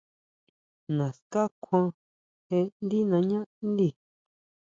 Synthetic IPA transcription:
nã˨ska˦kʷʰã˦˧ | he˧nd̪i˦nã˧ɲã˦nd̪i˧˨

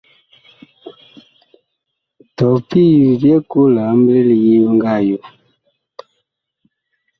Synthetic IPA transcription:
tɔ˨pi˦ju˨dje˦ko˦la˨˦m˦bə˦le˦li˨je˦bə˦ŋɡa˦˨ju˦

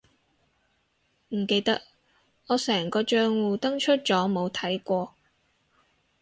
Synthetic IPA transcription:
m̩˨˩ke˧jt̪ɐ˥k̚ | ɔː˨˧sɛː˨˩ŋkɔː˧t͡ʃœː˧ŋwuː˨t̪ɐ˥ŋt͡ʃʰɵ˥t̚t͡ʃɔː˨˥mo˨˧wt̪ʰɐ˨˥jkʷɔː˧

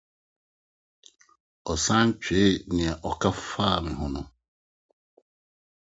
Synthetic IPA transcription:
ɔ˨sã˦ɲ˦t͡ɕᶣe˨˦nɪ̃˨ɛ˨ʔɔ˨kʰa˦faː˦˨mɪ̃˨ɦʊ̃˦nʊ̃˦˨

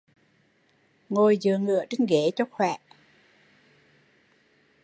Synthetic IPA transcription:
ŋo˨˩jzɨ̰˧˨əŋɨ̰˧˨ət͡ɕi˧ŋɣe˧˦t͡ɕɔ˧˩xwɛː˧˩˨ʔ

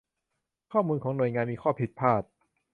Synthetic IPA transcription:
kʰɔː˥˩muː˧nkʰɔː˩˦ŋnu˨˩əjŋaː˧nmiː˧kʰɔː˥˩pʰi˨˩t̪̚pʰaː˥˩t̪̚

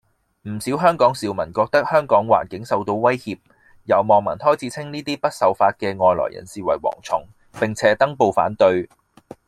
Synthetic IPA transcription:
m̩˨˩siː˨˥wɦœː˥ŋkɔː˨˥ŋsiː˨wmɐ˨˩nkɔː˧k̚t̪ɐ˥k̚hœː˥ŋkɔː˨˥ŋwa̰ː˨˩nkɪ˨˥ŋsɐ˨wt̪o˧wwɐ˥jhiː˧p̚ | jɐ˨˩wmɔː˨ŋmɐ˨˩nt̪ʰɔː˥jt͡sʰiː˨˧t͡sʰɪ˥ŋniː˥t̪iː˥pɐ˥t̚sɐ˨˥wfaː˧t̚kɛː˧ŋɔː˧jlɔ̰ː˨˩jɐ̰˨˩nsiː˨wɐ̰˨˩jwɔ̰ː˨˩ŋt͡sʰʊ̰˨˩ŋ | pɪ˨ŋt͡sʰɛː˨˥t̪ɐ˥ŋpo˨˧wfa̰ː˨˥nt̪ɵ˧ɥ

